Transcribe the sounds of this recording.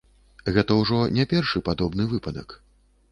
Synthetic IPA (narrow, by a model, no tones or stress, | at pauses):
ɣɛt̪ɐwʐɔnʲapʲɛrʂɨpad̪ɔbnɨvɨpɐd̪ɐ̰k